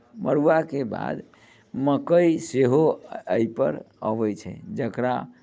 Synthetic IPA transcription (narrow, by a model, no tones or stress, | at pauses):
məɾuakeba̰d̪ | məkəjseɦoəjpə̰ɾ | əʋɛt͡ʃʰɛ̰d͡ʒəkɾa